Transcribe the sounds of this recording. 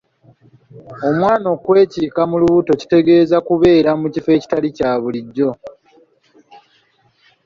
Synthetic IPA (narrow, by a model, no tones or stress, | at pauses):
o̞mwaːno̞ːkwe̞ːciːkamuluβuto̞ci̥te̞ɡe̞ːzakuβe̞ːɾamucife̞ːci̥talicaːβuliɟːo̞